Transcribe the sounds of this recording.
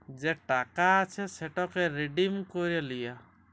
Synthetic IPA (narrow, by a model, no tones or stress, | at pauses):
d͡ʒeʈakaːt͡ʃʰɛseʈɔkɛɾeɖimkoɾalija